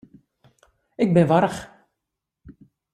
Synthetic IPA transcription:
ɪɡ̚bɪnʋɑɾəχ

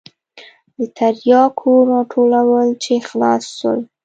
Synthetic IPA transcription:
d̪ət̪ʰaɾjɑkʰoɾɑʈʰolawəlt͡ʃexlɑsːə̰l

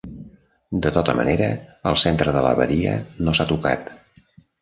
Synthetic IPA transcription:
d̪ət̪ɔt̪əmə̰neɾəəlˠsent̪ɾəðələ̰βəðiə̰nosat̪uka̰t̪

